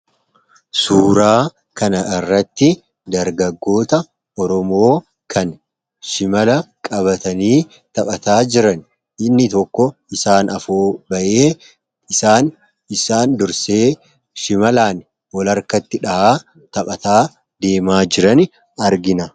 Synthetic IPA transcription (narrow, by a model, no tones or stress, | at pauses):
suːɾaː | kɐnɐʔɪrːɐt̪ːɪ | d̪ɐɾɡɐɡːo̞ːt̪ɐ | ʔɔɾɔmoː | kʰɐn | ʃɪmɐlɐkʼɐβɐt̪ɐniː | t̪ɐpʼɐt̪aːd͡ʒɪɾɐn | ʔɪnːɪt̪ɔkːɔɪsaːnɐfoːbɐʔe̞ː | ɪsaːn | ɪsaːnd̪ʊɾseː | ʃɪmɐlaːn | wɐlɐɾkɐt̪ːɪᶑɐhaː | t̪ɐpʼɐt̪aː | d̪e̞ːmaːd͡ʒɪɾɐnɪ | ɐɾɡɪnɐ